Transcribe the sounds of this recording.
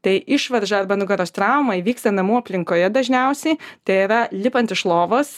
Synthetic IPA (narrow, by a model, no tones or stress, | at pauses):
t̪ɐɪʔɪʃʋɐɾʒɐɐɾbɐnʊɡɐɾoːst̪ɾɑʊmɐʋʲiːkst̪ɐnɐmuːɐpʲlʲɪŋkoːjɛd̪ɐʒʲnʲɛʊsʲɛɪt̪ɐɪɪɾɐlʲɪpɐnt̪ʲɪʃlˠoːʋos